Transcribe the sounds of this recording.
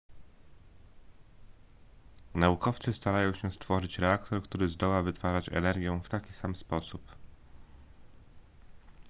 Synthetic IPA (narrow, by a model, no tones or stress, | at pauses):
naukɔft̪sɘst̪aɾajɔ̃w̃ɕɛst̪fɔʐɘt͡ɕɾɛakt̪ɔɾkt̪uɾɘzd̪ɔwavɘt̪faʐat͡ɕɛ̰nɛɾɡʲjɛft̪akʲisamspɔsup